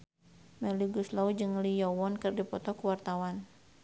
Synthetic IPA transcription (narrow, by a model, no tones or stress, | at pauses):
mɛliɡuslaud͡ʒɨŋlijɔwɔnkɨrdipɔt̪ɔkuwart̪awan